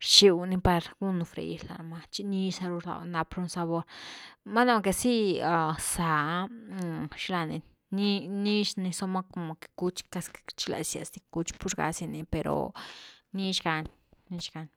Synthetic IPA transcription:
ʃi˧wni˧pa˧ɾɡu˦nu˧fɾḛ˨ji˧la̰˨ma˧t͡ʃi˧ni˦sa˧ɾu˧ɾla̰˧˨wna˧pɾu˧˦nsa˧βo˧ɾma˦na˦˨˧ke˧˨si˦a˧sa˨˧ | ʃla˧ni˧ | ni˦ni˦ʃni˧so˧ma˦ko˧mo˧ke̥˨ku˧t͡ʃka˧st͡ʃi˦la̰˨sja̰˨sd̪i˧ku˧t͡ʃpu˦ɾɡa̰˧si˧ni˧pe˨ɾo̰˨ni˦ʃɡa˧n | ni˧ʃɡa˧n

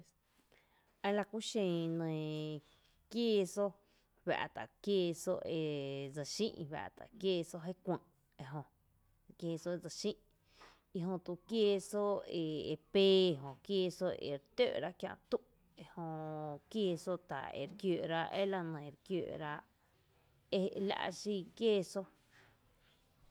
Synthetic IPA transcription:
e˦la˧kʷu˦ʃẽ˧˨nə̃˨ | kjeː˦˧so˦ | wa̰˨ʔt̪a̰˨kjeː˧so˦˧e˨d͡za˨ʃḭ̃˦ʔwa̰˨ʔt̪a̰˨kjeː˧so˦ɦe˦kʷə̃˧ʔ | e˧ɦõ˧ | kjeː˧so˦e˧d͡za˧˨ʃĩ˦ʔ | i˧ɦõ˧t̪u˧˨kje˧so˦e˨e˨peː˦˧˨ɦõ˨kjeː˧so˦ʔḛ˨ɾt̪o̰˦˨ʔɾa˦kjã̰˧t̪u˦ʔ | e˧hõ˧kjeː˧so˦t̪a̰˨ḛ˨ɾkjoː˨ɾa˦˧ʔe˦la˧nə̃˨ɾkjo̰ː˧˨ʔɾa˧ | e˦la̰˧ʔʃi˧kjeː˦˧so˦

